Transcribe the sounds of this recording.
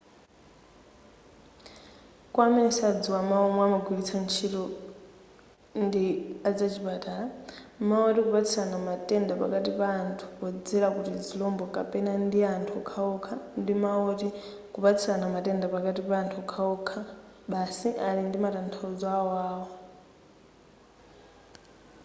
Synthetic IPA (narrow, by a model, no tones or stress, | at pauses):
kwamɛnɛsad͡ziwamaɔmamaɡiit͡sʰant͡ʃʰitɔ | ndiad͡zat͡ʃʰiɓatalamaɔtikupat͡sʰisanamatʼɛndapa̰katipaːntʰu̥kɔd͡zɛɾakutid͡zilɔmbɔkapɛnandiantʰukʰaɔkʰandimaɔti | kupat͡sʰisanamatɛndapakatipantʰukʰaɔkʰa | ɓasiʔalindimatantʰaɔd͡zɔaɔaːwɔ